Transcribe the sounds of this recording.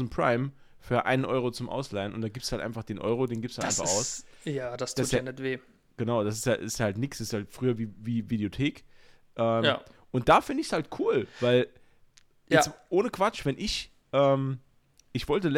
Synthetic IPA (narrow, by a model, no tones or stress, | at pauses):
mpʁ̥a̰ɪm | fyːɐʔa̰ɪnənʔɔʏʁot͡sʊmʔa̰ʊslaɪənʔʊntd̥aːɡiːptshaltʔa̰ɪnfaχd̥eːnʔɔ̰ʏʁ̞odeːnɡiːpshataɪfaχa̰ʊsjaːd̥astʰassanɛtveː | ɡ̥ənaʊd̥as̬ɪ̥staɪsthaltnɪksɪsthaltfʁ̥yːɐviːviːvideotʰeːk | ʔɛːmjaʔʊnt̚d̥aːfɪndəɪçshaltkʰuːlv̥aɪl | ʔɛʔoːnəkv̥at͡ʃv̥ɛnʔɪç | ʔɛːm | ʔɪçv̥ɔltəl